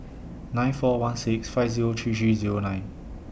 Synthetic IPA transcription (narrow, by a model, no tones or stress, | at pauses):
nãɪ̃nfɔwãnsɪksfaɪvziɹotʰuːsiziːɹonãɪ̃n